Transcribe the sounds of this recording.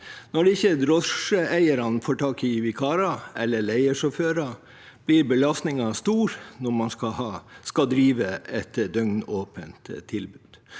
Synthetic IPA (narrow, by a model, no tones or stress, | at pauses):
nɔɖɪçəd̪ɾɔʂəæɪəɾɑnfɔʈʰɑːkɪʋɪkʰɑːɾɑʔɛlːəɭæɪəʂɔføːɾɑ | b̥liɾbəlɑst̪nɪŋɑst̪uːɾnɔɾmɑnskɑhɑskɑd̪ɾiːʋəɛt̪d̪œŋnoːpənt̪t̪ʰːɪlbʉːd̪̥